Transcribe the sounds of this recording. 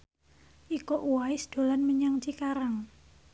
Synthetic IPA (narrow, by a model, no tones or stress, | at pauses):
ʔikoʔuwaɪsd̪̥o̤lanməɲaŋt͡ʃikaɾaŋ